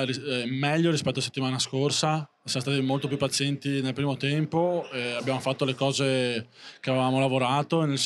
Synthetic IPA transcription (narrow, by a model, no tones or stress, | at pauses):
rimɛʎːoɾispɛt̪ːoase̥t̪ːimaːnaskorsa | sjamost̪aːt̪imolt̪op̬jupːat̪sjɛnt̪inelpɾiːmot̪ɛmpoeabjaːmofat̪ːolekɔːzekeavevaːmolavoɾaːt̪onels